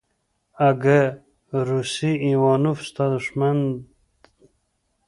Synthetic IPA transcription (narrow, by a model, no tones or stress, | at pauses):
aɡə | ɾusiiwɑːnufst̪ad̪uʂmand̪